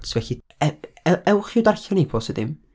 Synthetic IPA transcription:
tʰvɛɬi | ɛɛɛwχɪwd̪arɬɔnejpʰɔsəd̪ɪ̰m

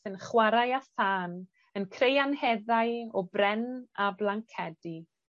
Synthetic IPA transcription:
ənχwaɾajaθaːn | ənkʰrejanhɛðajɔbrɛnablˠaŋkʰɛdi

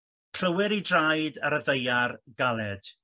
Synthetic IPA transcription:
kʰl̥əwɪɾidrajdaɾəðejarɡalˠɛd̥

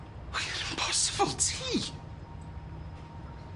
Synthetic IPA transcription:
wiɾɪ̃npʰɔsɪ̥b̥əlˠtʰi

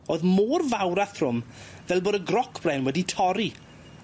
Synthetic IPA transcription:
oːðmoːrvawɾaθr̥ʊm | vɛlˠboːdəɡrɔkʰb̥rɛnwɛditʰɔɾi

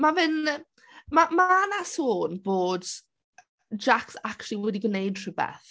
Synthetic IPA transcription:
mavɪn | mamaanasoːnboːd | d͡ʒaksakʃlˠiwɛdiɡənejd̥̚ʰrɪbɛ̰θ

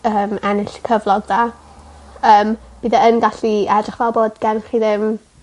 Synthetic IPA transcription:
əːmɛnɪɬkʰəvlˠɔɡ̚da | əːmb̥iðaənɡaɬiɛdrɪχvalˠboːdɡɛnχiðɪm

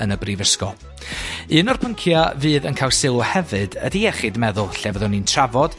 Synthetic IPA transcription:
ənəbrivəskɔ | ɨnɔrpʰəŋkʰjavɨːðənkʰaːlˠsɪlˠɔhɛvɨdə̰diɛχɨdmɛðʊlˠɬɛvəðɔnintʰravɔd̥

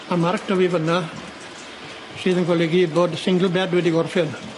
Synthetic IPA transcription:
amark̚d̥ɔwiːvəna | sɨːðənkʰɔleɡiboːdsɪŋɡəlˠbɛdwɛdiɡɔrfɪn

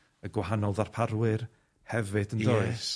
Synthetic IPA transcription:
əɡwaɦanɔlˠðarpʰaɾwɨr | hɛvɨdəndoɨs

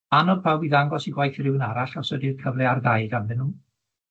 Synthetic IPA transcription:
anɔdpʰawbiðaŋɡɔsiɡwajθrɪwnaɾaɬasɛdið̥kʰəvlɛardaɨdamðɨnu

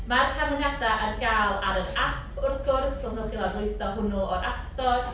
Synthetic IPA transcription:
marpʰamɪŋadaʔərɡaːlˠaɾənapʰʊrθɡ̥ʊrθɔlˠnɔɡɪlˠabʊjθɔɦʊnuɔɾʔapstɔr

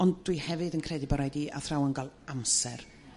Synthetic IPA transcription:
ɔndd̥wihɛvɨdənkʰrɛdɪbɔɾajdiːa̰θrawənɡalˠamsɛr

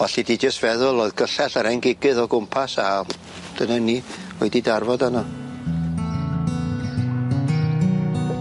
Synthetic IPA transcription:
aɬidid͡ʒəstvɛðʊlˠoɨðɡəɬɛɬaɾɛŋɡɪɡɨðɔɡʊmpʰasa | d̥ənanioɨdidarvɔdanɔ

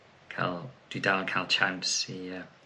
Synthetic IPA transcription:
kʰa̰lˠd̥widawnkʰalˠt͡ʃʰãnsiə

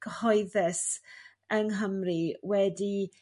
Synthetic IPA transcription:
ɡ̥hɔɨðɛs | əŋɦəmriwɛdi

